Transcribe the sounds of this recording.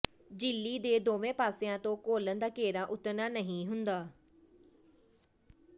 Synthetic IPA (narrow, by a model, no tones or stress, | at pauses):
d͡ʒɪlːiːd̪eːd̪oːʋẽːpaːsɪjãːt̪õːkoːlənd̪aːkeːɾãːʔʊt̪naːnəɦĩːɦʊnd̪aː